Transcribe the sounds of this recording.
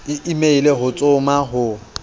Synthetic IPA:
ɪʔimeileɦʊt͡sʼʊmaɦʊ

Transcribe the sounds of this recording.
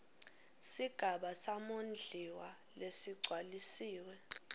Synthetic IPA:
siɡ̥ʱaɓasamond͡ɮʱiwa | lesiɡ͡ǀʱwalisiːwɛ

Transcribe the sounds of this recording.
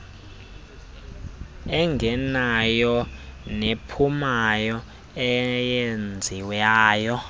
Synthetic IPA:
ɛŋɡʱɛnajɔnepʰumajɔ | ɛjend͡zʱiwaːjɔ

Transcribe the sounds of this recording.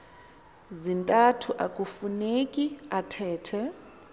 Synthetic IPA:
zintʼatʰuʔakʼufunekʼiatʰɛːtʰɛ

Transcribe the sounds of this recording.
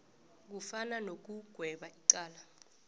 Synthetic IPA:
k̬ufananok̬uɡ̥ʱwɛɓaʔiǀaːla

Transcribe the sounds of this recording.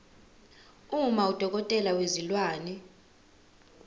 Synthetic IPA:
umaud̥ʱɔk̬ʼɔtʼɛlawezilwaːni

